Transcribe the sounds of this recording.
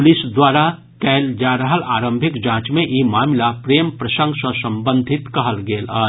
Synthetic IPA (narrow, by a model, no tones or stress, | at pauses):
lɪsd̪waːɾa | kɛːld͡ʒaːɾəɦəlaːɾə̃mbʱɪkd͡ʒãːt͡ʃmẽʔimaːmlapɾeːmpɾɐsə̃ŋɡsə̃sə̃mbə̃nd̪ʱɪt̪kɐɦəlɡeːlaː